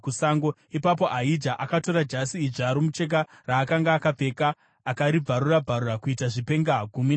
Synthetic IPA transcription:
kusaːŋɡo̞ | ipap̬o̞ʔaid͡ʒaʔakato̞ɾad͡ʒasiːʐːɾomut͡ʃe̞k̬a | raːkaŋɡaːkap͡fe̞kaː | kaɾib͡vʱaɾurab͡vʱaɾurakuitaʐipe̞ŋɡaɡʱumin

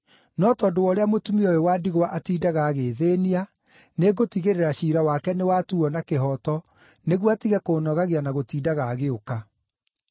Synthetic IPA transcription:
nɔtɔdowɔːɾeamotumiɔjowaːdiɣowaʔatiːdaɣaːɣeːðeːnia | neɡotiɣeɾeɾaɕiːɾawakɛnewatuɔnakeɦɔtɔ | neɣwatiɣɛkoːnɔɣaɣeanaɣotiːdaɣaːɣeoka

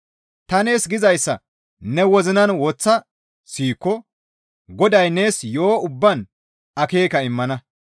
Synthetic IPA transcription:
t̪ɐne̞ːsɡɪzɐjsːɐ̰ | nɛwɔzɪnɐnwɔt͡sːɐ | siːkːɔ | ɡɔd̪ɐjne̞ːsjo̞ːʊbːɐn | ɐke̞ːkɐɪmːɐnɐ

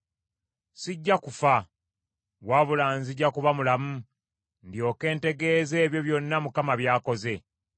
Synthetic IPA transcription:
siɟːakufa | waːβulaːnziɟakuβamulamu | ndjo̞ːke̞ːnte̞ɡe̞ːze̞ːβjo̞βjonːamukamaβjaːko̞ze̞

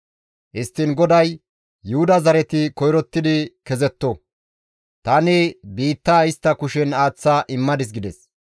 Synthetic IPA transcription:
ʔɪst̪ːɪnɡɔd̪ɐj | jʊhʊd̪ɐzɐɾɛt̪ɪkɔjɾɔt̪ːɪd̪ɪkɛzɛt̪ːɔ | t̪ɐnɪbiːt̪ːaːɪst̪ːɐkʊʃɛnaːt͡sːaːʔɪmːɐd̪ɪs̬ɡɪd̪ɛs

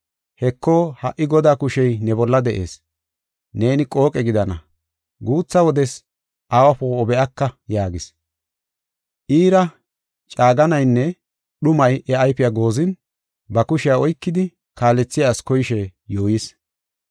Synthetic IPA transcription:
hɛkʰːoːhɐ̰ʔːɪɡɔd̪aːkʊʃɛjnɛbɔlːɐd̪ɛʔe̞̰ːs | ne̞ːnɪkʼo̞ːkʼɛɡɪd̪ɐnɐ | ɡuːt͡sːɐwɔd̪ɛs | ʔaːwɐpoːbɛʔɐkːɐjaːɡɪs | ʔiːɾɐ | t͡ʃʼaːɡɐnɐjnːɛ | ɗʊmɐjʔɛɐjpɪjaɡo̞ːzɪn | bɐkʊʃɪjaɔjkːɪd̪ɪ | kaːlɛt͡sːɪjaːskɔjɪʃɛjoːjɪs

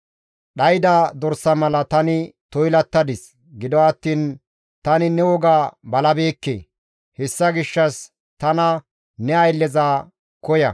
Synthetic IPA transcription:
ɗɐjd̪ɐd̪ɔɾsːɐmɐlɐt̪ɐnɪt̪ɔjlɐt̪ːɐd̪ɪs | ɡɪd̪ɔɐt̪ːiːn | t̪ɐnɪnɛwɔɡaːbɐlɐbe̞ːkːḛː | hɛsːɐɡɪʃːɐs | t̪ɐnɐ | nɛɐjlːɛzaː | kɔjɐ̰

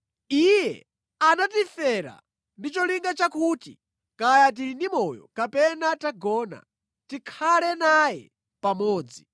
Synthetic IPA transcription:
ijɛ̰ | anatifɛɾa̰ | ndit͡ʃɔliŋɡat͡ʃakuːti | kajat̬inimɔjɔ̰kapɛnataɡɔːna̰ | tikʰalɛnajɛ̰ | pamɔːd͡zi

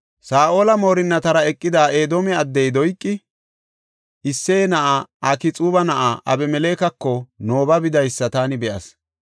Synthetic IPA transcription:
saːʔoːlɐmo̞ːɾɪnːɐt̪ɐɾɐɛkʼːɪd̪aːʔeːd̪oːmɛɐd̪ːɛjd̪ɔjkʼːɪ | ɪsːeːnɐʔaɐkɪt͡sʼuːβɐnɐʔaʔɐbɛmɛleːkɐkːɔno̞ːbɐbɪd̪ɐjsːɐt̪aːnɪbɛʔɐ̰s

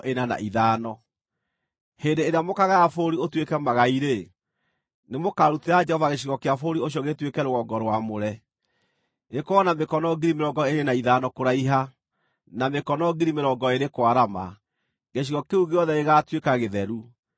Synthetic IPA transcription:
ʔenana̰ʔiðaːnɔ | hendeeɾeamokaɣaːfoɾiotwekɛmaɣaiɾe | nemokaɾuteɾad͡ʒɛhɔvaɣeɕ̬iɣɔkeafoɾioɕ̬iɔɣetwekɛɾoɣɔɡɔɾwamoɾɛ | nekoɔnamekɔnɔɡiɾimeɾɔɡɔeɾenaiðanɔkoɾaiɦa | namekɔnɔɡiɾimeɾɔːɡɔeɾekwaɾama | ɣeɕ̬iɣɔkeuɡeɔðɛeɣatwekaɣeðɛɾu

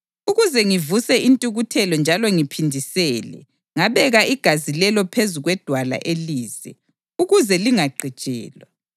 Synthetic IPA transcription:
uɣuzɛŋivusɛʔintʼuɣutʰɛlɔnd͡ʒʱalɔŋipʰindʱisɛːlɛ̰ | ŋaβɛɣaiɡ̥ʱazilɛlɔpʰezuɣwɛd̥ʱwala̰ʔeliːzɛ̰ | uɣuzɛliŋaɡ͡ǃʱi̥t͡ʃʼɛ̰ːlwa

